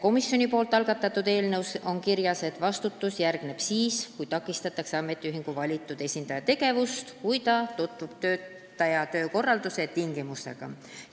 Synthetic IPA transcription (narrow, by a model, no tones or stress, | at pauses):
ko̞misjo̞nipo̞ːlt̪ːˑɑlɡ̥ɑt̪ːˑɑt̪ːˑud̪e̞ːlnewso̞nkiɾjɑse̞t̪vɑst̪ut̪ːusjærɡ̥ne̞b̥siːskujt̪ɑkːˑist̪ɑt̪ːˑɑkseɑme̞t̪ːˑiyɦiŋɡ̥uvɑlʲit̪ːˑud̪̥e̞sʲind̪ɑjɑt̪e̞ɡe̞vust̪kujt̪ɑt̪ut̪vub̥t̪ø̞ːt̪ː | ɑjɑt̪ø̞ːko̞rːɑld̪use̞t̪iŋɡ̥imust̪e̞̰ɡ̥ɑ̰